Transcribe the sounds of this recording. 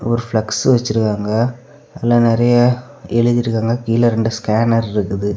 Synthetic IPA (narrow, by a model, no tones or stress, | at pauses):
ɔɾɯfɭɐksʋɐt͡ʃːɪɾɯkːaːŋɡɐ | ɐlːɐnɪɾɐjɐ | ɛɭɯðɪɾɯkːaːŋɡɐkiːlɐɾɛɳɖɯskaːnɐɾɪɾɯkːɯðɯ